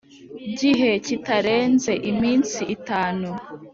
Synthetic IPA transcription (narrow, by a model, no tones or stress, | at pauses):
ɟiɦe̞citaɾe̞ːnze̞ʔimiːnsiʔːtaːnu